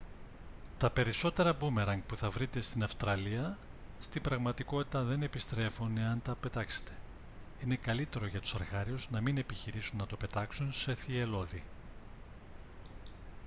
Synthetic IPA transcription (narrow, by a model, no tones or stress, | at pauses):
t̪ɐpe̞ɾiso̞t̪e̞ɾɐbume̞ɾɐŋɡ̚puθɐvɾit̪e̞st̪inɐfst̪ɾɐliɐst̪imbɾɐɣmɐt̪iko̞t̪i̥t̪ɐðe̞ne̞pist̪ɾe̞funeɐnt̪ɐpe̞t̪ɐkse̞̥t̪e̞̥ | ine̞kɐlit̪e̞ɾo̞ʝɐt̪u̥sɐɾɣɐɾiuznɐmine̞piçiɾisunːɐt̪o̞pe̞t̪ɐksunse̞θie̞lo̞ði